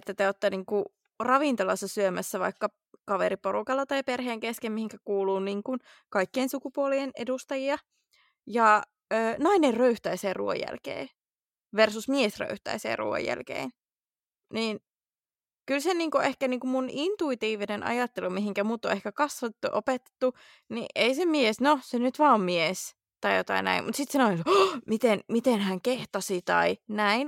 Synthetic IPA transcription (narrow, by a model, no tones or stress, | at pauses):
et̪ːæt̪eot̪ːɑniːŋku | rɑʋint̪olɑsːɑsyømæsːæʋɑ̰ikːɑ | kɑʋeɾiporukɑlːɑt̪ɑiperɦeːŋkeskemmihiŋkækuːluːniːŋkun | kɑikːiensukupuolienḛdust̪ɑjiɑ | jɑ | øːnɑinerrøyht̪æiseːruo̰jːæ̰lkḛː | ʋersusmiesrø̰yht̪æ̰isḛːrṵo̰jæ̰lkḛin | niːn | kylseniːŋkuehkæniːŋkumunint̪uit̪iːʋinenɑ̰jɑt̪ːelumiɦiŋkæmuːt̪ːo̰ehkækɑsʋɑt̪ːuʔopet̪ːe̥t̪ːu | nḭʔeisemiesnosenyt̪ʋɑːommies | t̪ɑijot̪ɑ̰inæ̰imut̪sit̪sɑnoisomit̪enmit̪enhæŋkeht̪ɑsit̪ɑ̰inæin